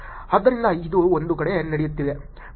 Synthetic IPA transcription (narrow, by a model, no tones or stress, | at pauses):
ɐd̪ːɐɾind̪ɐid̪uond̪ukɐɽenɐɽejut̪ːiʋe